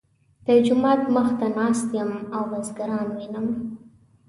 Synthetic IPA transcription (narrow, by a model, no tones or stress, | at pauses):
d̪̥əd͡ʒʊmɑt̪məxt̪anɑst̪jəmawːazɡaɾɑnwinəm